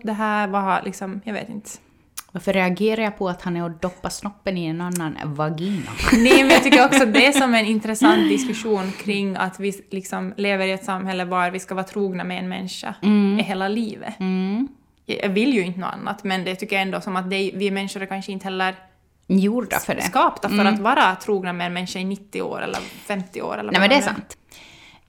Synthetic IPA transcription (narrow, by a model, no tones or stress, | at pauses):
d̪ɛɦæːɾvalʔɪksɔmjɑɡvḛːt̪ɪ̰nt̪ə̥ | vaɾfœɾɛaɡeːɾaɾjapʰɔat̪hanɛɾɔd̪ɔpːasnɔpːənɪɛnanːanvaɡiːna̰nɛmɛnjaɑt̪ʏkːəɾɔksɔat̪̚d̪ɛæsɔmɛnɪnt̪ɾɛsant̪̚d̪ɪskʉʂuːnkʰɾɪŋːa̰t̪vɪlɪksɔmleːvəɾɪɛt̪samːhɛlːəvɑɾvɪskavɑːt̪ʰɾuːɡnamɛɛ̰nmɛ̰nːʂa̰ɪɦeːlaliːvə̰ | jɑ̰jɑ̰ːvɪlːjɵɪnt̪əno̰ːa̰nːa̰t̪mɛnd̪ɛt̪ʰʏkːəjaɛnd̪oːsɔmat̪̚d̪ɛjvɪmɛnːʂʊɾkʰanʂəɪnt̪ə̥hɛlːəɾ | juːa̰sfəɖɛskɑːpt̪afœɾat̪vɑːɾat̪ʰɾuːɡnamɛɛnmɛnːʂaɪnɪt̪ːɪo̰ːɾɛ̰lːə̰ɾfɛmt̪ɪo̰ːɾɛlːɾɛmɛd̪ɛɛsa̰nt̪